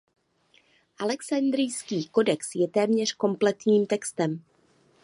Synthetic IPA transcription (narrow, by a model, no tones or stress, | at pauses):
ʔalɛksand̪ɾɪjskiːko̞dɛksjɛt̪ɛːmɲɛr̝̥ko̞mplɛt̪ɲiːmt̪ɛkst̪ɛm